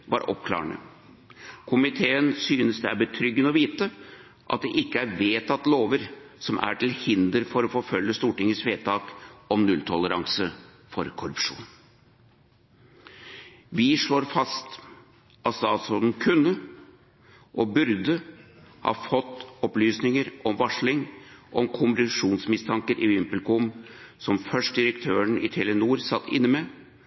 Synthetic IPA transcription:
ʋɑ̰ɾʔɔ̰pkʰlɑ̰ːɾəɳə̰ | kʰʊmɪt̪ʰeːənsyːnəsd̪ɛæbət̪ʰɾʏɡːənəɔʋiːt̪ə | ʔɑ̰t̪̚d̪ɛʔɪkːəæɾʋeːt̪ʰɑt̪ːloːʋəɾsɔmʔæ̰ʈʰɪlhɪnd̪əɾfɔɾɔfoːfœlːəst̪uːʈɪŋəsʋeːt̪ʰɑːkɔmnʉlt̪ʰɔləɾɑ̰ŋsə | fɔɾkʰʊɾʉpʂṵːn | ʋɪʂɭoːɾfɑst̪ | ʔɑt̪st̪ɑːsɔnnkʰʉnːə | ʔɔbʉɾd̪ə | hɑ̰ːfɔt̪ːɔplyːsnɪŋəɾʔɔmʋɑʂɭɪŋʔɔmkʰʊmbɾɪʂuːnsmɪst̪ʰɑŋkəɾʔɪʋɪmpəlkʊmsɔmfœʂʈ̚d̪ɪɾəkt̪ʰøːəɳɪt̪ʰɛlənuːɾsɑt̪ʰːɪ̰nːəmɛ

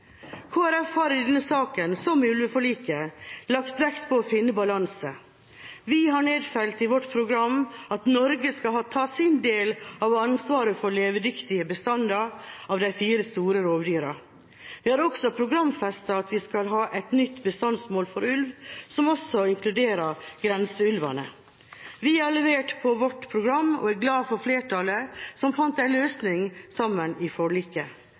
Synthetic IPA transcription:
kʰoːæɾɛfhɑɾɪd̪ɛnːəsɑːkənsɔmʉlʋəfɔɭiːkəlɑkt̪ʋɛkt̪pʰɔːfɪnːəbɑlɑnsə | ʋɪɦɑɳeːd̪fœlt̪ɪʋɔʈːpʰɾʊɡɾɑmːɑt̪nɔɾɡəskɑlɦɑːt̪ʰɑːsɪnd̪eːlɑʋɑnsʋɑːɾəfɔɭeːʋəd̪ʏkt̪ɪəbəst̪ɑnd̪ɑɑʋd̪æɪfiːɾəst̪uːɾəɾoːʋd̪yːɾɑ | ʋ̪ɪhæɾɔksɔpʰɾʊɡɾɑmfɛst̪ɑɑt̪ʋɪskɑlɦɑːʔɛt̪nʏt̪ːbəst̪ɑnsmoːlfɔɾʉlʋsɔmɔsɔɪŋklʉd̪eːɾɑɾɡɾɛnsəʉlʋɑ̰nə̰ | ʋɪæɾɭɛʋeːʈpʰɔʋɔʈːpʰɾʊɡɾɑmːɔ̰æɡlɑːfɔɾfleːʈʰɑləsɔmfɑnt̪æɪløːsnɪŋsɑmːənɪfɔɭikə

